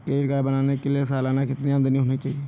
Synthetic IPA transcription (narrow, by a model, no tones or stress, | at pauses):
ʈeːʈɡəɽbənaːneːkelieːsaːlaːnaːkɪt̪niə̃nd̪əniːɦoːniːt͡ʃaːieː